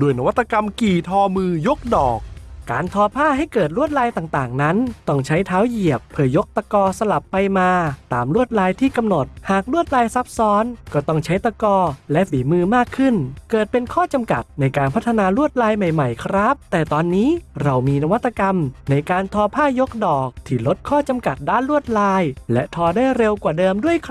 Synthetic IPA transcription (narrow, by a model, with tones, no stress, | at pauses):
doː˧˩jna˦˧wa˦˥t̪ːa˧ka˧mkiː˨˩t̪ʰɔː˧mɯː˧jo˦˥k̚dɔː˨˩k̚kaː˧nt̪ʰɔː˧pʰaː˥˩ɦa˥˩jkɤː˨˩t̪̚ɾu˥˩ət̪̚laː˧jt̪aː˨˩ŋt̪aː˨˩ŋna˦˥nt̪ɔ˥˩ŋt͡ɕʰa˦˥jt̪ʰaː˦˥wji˨˩əpʰːɯ˧˩əjo˦˥k̚t̪a˧kɔː˧sa˧la˨˩pːa˧jmaː˧t̪aː˧mɾu˥˩ət̪̚laː˧jt̪ʰiː˥˩ka˧mno˨˩t̪̚haː˨˩k̚ɾu˥˩ət̪̚laː˧jsa˦˥p̚sɔː˦˥nkɔː˥˩t̪ɔ˥˩ŋt͡ɕʰa˦˥jt̪a˧kɔː˧lɛ˦˥ʔfiː˩˦mɯː˧maː˥˩kʰːɯ˥˩nkɤː˨˩t̪̚pe˧nkʰɔː˥˩t͡ɕa˧mka˨˩t̪̚na˧jkaː˧npʰa˦˥t̪ʰːa˧naː˧ɾu˥˩ət̪̚laː˧jma˨˩jma˨˩jkʰɾa˦˥p̚t̪ɛː˨˩t̪ɔː˧nːiː˦˥ɾa˧wmiː˧na˧wa˦˥t̪ːa˧ka˧mna˧jkaː˧nt̪ʰɔː˧pʰaː˥˩jo˦˥k̚dɔː˨˩k̚t̪ʰiː˥˩lo˦˥t̪̚kʰɔː˥˩t͡ɕa˧mka˨˩t̪̚daː˥˩nɾu˥˩ət̪̚laː˧jlɛ˦˥ʔt̪ʰɔː˧daː˥˩jɾe˧wkwaː˨˩dɤː˧mdu˥˩əjkʰ